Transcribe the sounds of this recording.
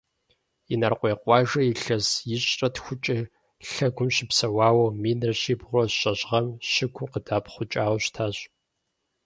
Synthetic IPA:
inɐrqʷʼeːqʷʼɑːʒɐiɬɐsjɪɕʼɐtxʷʊt͡ʃʼɐ | ɬɐɡʷʊmɕɪpsɐwɑːwɐmiːnɐrɕiːbʁʷɔɕʼɐʑʁɐmɕɪɡʷʰʊqədaːpʰχʷʊt͡ʃʼaːwɕtʰaːɕ

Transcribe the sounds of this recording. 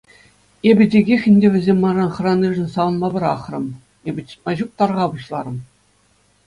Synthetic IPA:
ebʲɘ̆dʲeɡʲexʲɘ̆nʲdʲeʋʲɘ̆zʲemʲːɑrɑnχɤ̆rɑnʲːiʐɘ̆nʲsɑʋɤ̆nmɑbʲɘ̆ɾɑχrɤ̆m | ebʲɘ̆t͡ɕɘ̥̆t̪̚mɑʑuk̚t̪ɑrʁɑbuɕlˠɑɾɤ̆m

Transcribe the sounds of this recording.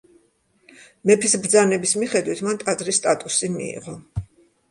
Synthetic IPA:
mɛpʰisbɾd̪zanɛbismiχɛd̪wit̪ʰmant̪ʼad̪zɾist̪ʼat̪ʼusimḭḭʁɔ

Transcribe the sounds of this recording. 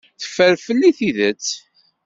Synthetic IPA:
θə̥fːəɾfəlːiθiðət͡sː

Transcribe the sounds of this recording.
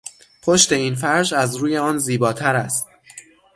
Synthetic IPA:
pʰoʃt̪e̞iːnfæɾd͡ʒæzɾuːje̞ɒːnziːbɒːt̪ʰæɾæst̪̚

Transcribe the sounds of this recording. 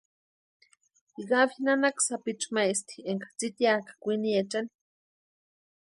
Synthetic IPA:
iɣafinanaksapit͡ʃmaist̪i̥eŋkḁt͡sit̪iakḁkʷiniet͡ʃani̥

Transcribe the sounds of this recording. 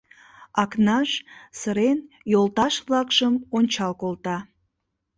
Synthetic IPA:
ɑknɑʃsəɾen | jolˠt̪ɑʃβlɑkʃəmonʲt͡ɕɑlkolt̪ɑ

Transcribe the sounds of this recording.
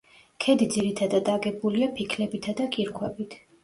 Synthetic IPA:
kʰɛd̪id̪ziɾit̪ʰad̪ad̪aɡɛbuliapʰikʰlɛbit̪ʰad̪akʼiɾkʰwɛbit̪ʰ

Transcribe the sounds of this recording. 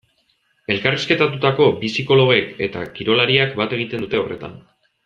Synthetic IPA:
e̞lkariske̞t̪at̪ut̪ako̞bisiko̞lo̞ɣe̞ke̞t̪a̰kiɾo̞laɾiakbat̪e̞ɣ̞it̪e̞nut̪e̞o̞re̞̰t̪a̰n

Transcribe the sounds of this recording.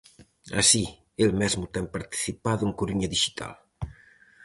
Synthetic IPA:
a̰si | elmɛzmut̪ɛŋpaɾt̪i̥θipaðuŋkuɾuɲɐðiʃi̥t̪ʰa̰l

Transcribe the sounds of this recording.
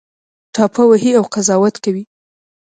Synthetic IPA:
ʈɑpʰawaɦiawqazɑwat̪kawi

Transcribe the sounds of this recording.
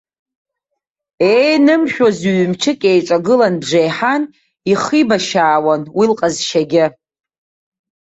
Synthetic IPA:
ejnɨmʃᶣozɥmt͡ʃʰɨkʲʼejʈ͡ʂʼaɡɨlanbʐejħan | iχibaʃaːwanwilqʼazʃaɡʲɪ

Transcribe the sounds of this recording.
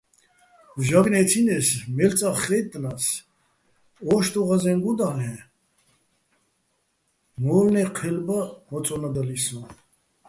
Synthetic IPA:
vʒaɡnɛt̪ʰinɛsmɛlt͡sʼaχɛt̪ʼnas | ɔʃt̪ʼɔʁazɛŋɡud̪alɛ | mɔɾnɛqʰɛlbahɔt͡sʼɔnad̪alisɔ

